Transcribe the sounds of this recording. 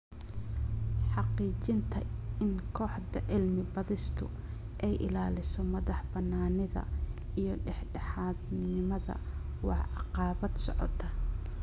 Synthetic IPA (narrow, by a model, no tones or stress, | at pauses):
ħɑqiːt͡ʃɪnt̪ʰɐɪnkʰɔːħdɐʕɪlmɪbɐðɪst̪ʰʊ | ʔɛjʔɪ̰laːlɪsɔmɐðɑħbɐnːaːnɪðɐ̰ | ijɞɖɛħɖɛħɑːd̪nɪmɐðɐ̰ | wɑħɑqɑːβɐd̪sɔʕɔ̰t̪ʰːɐ